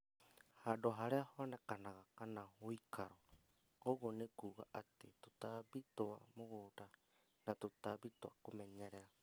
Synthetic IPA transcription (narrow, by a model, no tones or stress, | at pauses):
hadoɦaɾeahoanɛkanaɣakanahuikʰaɾo | oɣonekuɣaʔat̪et̪ut̪abit̪oa̰moɣoɾa | nat̪ut̪abit̪oa̰komɛɲɛɾɛɾa